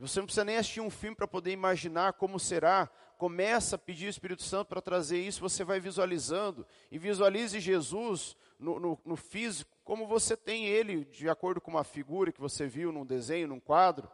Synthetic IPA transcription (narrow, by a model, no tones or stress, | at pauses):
vosenɐ̃pisizɐnẽj̃asi̥ʃt͡ʃiɾũfimɪpɾɐpod̪eɾimaʒinaɾkõmʊseɾa | kõmɛsɐapɪd͡ʒiɾʊɪspiɾit̪ʊ̥sɐ̃nt̪ʊpɾɐt̪ɾazeɾisʊɪvosevajvizualizɐ̃nd̪ʊ | ɪvizualizɪʒezuz | nʊnʊnʊfizikʊ̥kõmʊvoset̪ẽj̃elɪd͡ʒɪakoɾd̪ʊkõũmɐfiɡuɾɐkɪvoseviwnʊ̃d̪ezẽj̃ʊnʊ̃kwad̪ɾʊ̰